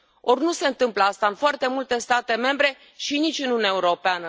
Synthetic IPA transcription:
o̞rʲnuse̞ɨnt̪ɨmpləast̪aɨnfoart̪e̞mult̪e̞st̪at̪e̞me̞mbɾe̞ | ʃinit͡ʃʲɨnunʲaeuɾo̞peanə

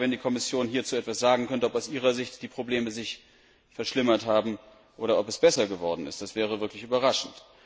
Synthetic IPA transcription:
vɛndiːkʰɔmɪsjoːnhiːɐt͡suːɛtv̥asz̥aːɡŋ̩kʰœntəɔpaʊsʔiːʁ̞ɐzɪçtd̥iːpʁ̥obleːməzɪç | fɛɐʃlɪmɐthaːbm̩ | ʔoːɾɐʔɔpɛsb̥ɛsɐɡəvɔɐdn̩ɪ̰std̥asv̥ɛːʁ̞əvɪɐklɪçyːbɐʁaʃn̩t

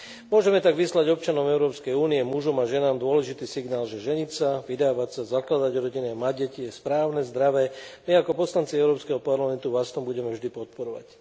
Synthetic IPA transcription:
mʊɔʒɛmɛt̪aɡʋislaɟɔp̚t͡ʃanɔmɛʊɾɔːpskɛjuːniɛmuʒɔmaʒɛnaːmd̪ʊɔlɛʒit̪iːsiɡnaːlʒɛʒɛɲisaʋid̪aːʋacsazaklad̪aɟɔɾɔɟiniamaɟɛciɛspɾaːʊnɛzd̪ɾaʋɛmiakɔpɔslant͡siɛʊɾɔːpskɛɦɔpaɾlamɛnt̪uʋast̪ɔmbuɟɛmɛvʒd̪ipɔt̪̚pɔɾɔʋa̰c

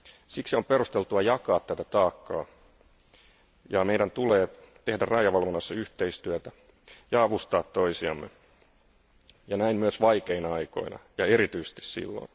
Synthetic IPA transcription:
siksio̞mperust̪e̞lt̪uɑjɑkɑːt̪t̪æt̪æt̪ɑːkːɑː | jɑmeidænt̪uleːt̪e̞hdærrɑjɑʋɑlʋonːɑsːɑyht̪eist̪yæt̪æ | jɑɑʋust̪ɑːt̪toisiɑ̰mːḛ | jɑnæimmyøsʋɑikeinɑɑiko̞̰inɑ̰jɑeɾit̪yise̥st̪i̥ssḭlːo̰n

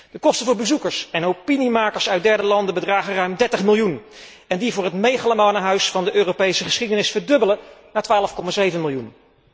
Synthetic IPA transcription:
d̥əkɔstənvʊːɹbəzukəɹsɛnowpinimaːkəɹsœɥt̚dɛɹdəlɑndəbədraːχərœɥmdɛɹtəχmɪlˠjun | ɛndivʊːɹɦətmejχaləmanəɦœɥsfɑndəʔøːrowpejsəχəsχidənɪsfəɹdɵbələnaːɹtʋaːləfkɔmaːzejvənmɪlˠjun

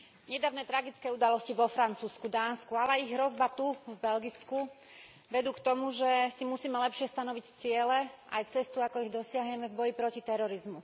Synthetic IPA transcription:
ɲɛd̪aːʋnɛːt̪ɾaɡit͡skɛːud̪alɔsciʋɔfɾant͡suːskud̪aːnskualɛiɣɦɾɔzbat̪uvbɛlɡit͡sku | ʋɛd̪uːkt̪ɔmuʒɛsimusiːmɛlɛpʃɪɛst̪anɔʋict͡sɪɛlɛʔajt͡sɛst̪uakɔiɣd̪ɔsɪaɦɲɛmɛvbɔjipɾɔcit̪ɛɾɔɾizmu

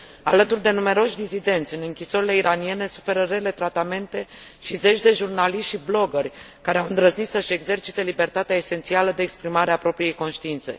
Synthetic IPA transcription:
a̰lət̪urd̪e̞nume̞ɾo̞ʃʲd̪izid̪e̞nt̪sʲɨnɨŋkʲisoɾile̞iɾanie̞ne̞su̥fe̞ɾəɾe̞le̞t̪ɾat̪ame̞nt̪e̞ | ʃize̞t͡ʃʲd̪e̞ʒurnaliʃtʲblo̞ɡərʲ | kaɾe̞awɨnd̪ɾəznit̪səʃe̞ɡze̞rt͡ʃit̪e̞libe̞rt̪at̪eaese̞nt̪sialəd̪e̞ːkspɾimaɾeapɾo̞pɾije̞jko̞nʃt̪iint̪se̞̰

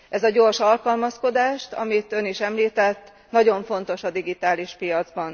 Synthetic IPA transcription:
ʔɛzɒɟo̞ːrʃɒlkɒlmɒsko̞d̪aːʃt̪ɒ̰mit̪ø̞niʃɛmliːt̪ɛt̪ː | nɒɟo̞ɱfo̞nt̪o̞ʃɒd̪iɡit̪aːliʃpijɒd̪zbɒn

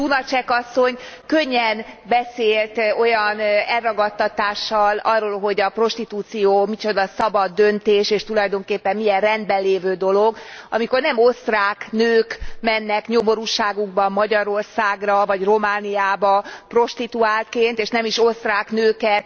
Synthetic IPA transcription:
unɒt͡ʃɛkɒsːo̞ɲkøɲːɛnbɛseːlt̪o̞jɒnɛlrɒɡɒt̪ːɒt̪aːʃːɒlɒrːoːlɦo̞ɟɒpro̞ʃt̪it̪uːt̪sijoːmit͡ʃo̞d̪ɒsɒbɒd̪ːønt̪eːʃeːʃt̪ulɒjd̪o̞ŋkeːpːɛmːijɛrrɛnd̪̚bɛlːeːvøːd̪o̞lo̞ɡɒmiko̞rnɛmo̞st̪raːknøːkmɛnːɛkɲomo̞ɾuːʃaːɡuɡ̚bɒmːɒɟɒɾo̞rsaːɡrɒvɒɟro̞maːnijaːbɒpro̞ʃt̪it̪uaːlt̪keːnt̪eːʃnɛmiʃo̞st̪raːknøːkɛt̪

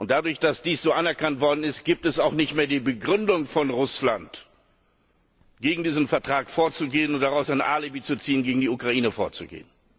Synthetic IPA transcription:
ʔʊntd̥adʊɐçd̥asd̥iːsz̥oːʔanɛɐkʰantv̥ɔɐdn̩ɪst̚ɡ̥iːp̚tɛsaʊxnɪçtmeːɐdiːbəɡʁʏndʊŋfɔnʁʊslant | ɡ̥eːɡŋ̩diːzn̩fɛɐtʁ̥aːkfoːɐt͡suɡeːənʊnt̚d̥aʁaʊsaɪnʔaːlibiːt͡sut͡siːənɡeːɡŋ̩diukʁ̥aʔiːnəfoːɐt͡suɡḛːən

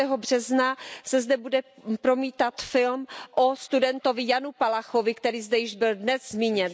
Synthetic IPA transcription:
ɛːɦobr̝̥ɛznasɛzdɛbudɛpɾo̞miːt̪at̪fɪlmʔost̪udɛnt̪o̞vɪjanupalaxovɪkt̪ɛɾiːzdɛjɪʒbɪldnɛzzmiːɲɛn

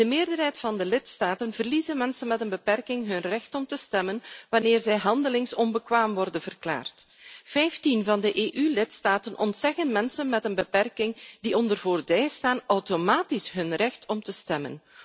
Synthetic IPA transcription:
d̥əmeːrdərɦɛjtfɑndəlɪtstaːtənvərlizənmɛnsənmɛtənbəpɛrkɪŋɦɵnrɛxtɔmtəstɛmənʋɑnɪːrzɛjɦɑndəlɪŋsɔnbəkʋaːmʋɔrdənv̥ərkla̰ːrt | fɛjftinvɑndəʔeːʔylɪtstaːtənʔɔntsɛɣənmɛnsənmɛtənbəpɛrkɪŋdiɔndərvoːrbɛjstaːnɔwtomaːtisɦɵnrɛxtɔmtəstɛmə̰n

